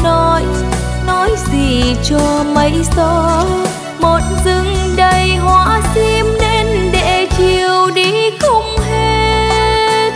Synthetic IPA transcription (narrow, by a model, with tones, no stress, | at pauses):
nɔ˨˦j | nɔ˨˦jzi˨˩t͡ɕɔ˧˩mə˨˦jsɔ˧˦ | mo˨˩t̚zɨ˧˦ŋɗə˧jɦwaː˧˥si˧mne˧nɗḛ˧˩t͡ɕi˨˩əwɗi˧˦kʊ˧ŋ͡mɦe˧ | t̚